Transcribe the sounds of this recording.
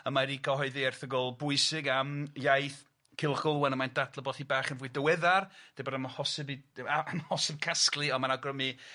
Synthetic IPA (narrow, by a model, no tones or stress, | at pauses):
əmaɾikʰɔhɔɨðiɛrθəɡɔlˠbʊɨsɪɡamjajθ | kʰɪlˠχɡ̥ʊlˠwɛnəmajndadlˠɔbɔθibaːχənvuɨdəwɛðard̥ɪbɔdamhɔsɪbiaamhɔsɪb̥̚kʰasklˠiɔmanaɡrəmi